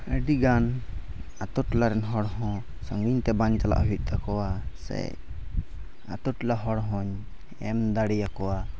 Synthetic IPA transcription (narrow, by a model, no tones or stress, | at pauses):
əɖiɡan | at̪ɔʈlaɾɛnɦɔɽɦɔ̃ | səŋɡiɲt̪ɛbaɲt͡ʃ̪ala̰ʔɦuit̪̚ˀt̪akɔwasɛ̰j | a̰t̪ɔʈlaɦɔɽɦɔɲ | ɛmd̪aɽijakɔwa